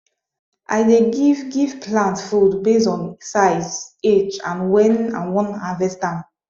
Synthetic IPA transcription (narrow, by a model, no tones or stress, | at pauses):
ʔa̰jdeɡivɡivpʰlãntfudbesɔ̃nsajset͡ʃã̰nwɛ̃nã̰nwɔ̃nhavɛstãm